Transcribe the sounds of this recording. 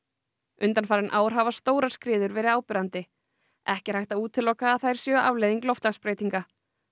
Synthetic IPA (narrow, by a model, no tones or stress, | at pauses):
ʏnt̪anfaɾɪnʔaːwɾ̥ɦavast̪oːwɾḁskɾɪːðʏɾvɛːɾɪaːwpɪɾant̪ɪ | ɛhcɪ̥ɾ̥hajht̪auːt̪ʰːɪlɔːkaːθajɾ̥sjœːʔavlejðiŋklɔft̪laxspɾeːjt̪iŋka